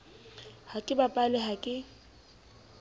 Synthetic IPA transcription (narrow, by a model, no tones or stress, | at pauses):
hakʼɪbapʼalɪɦakʼɪ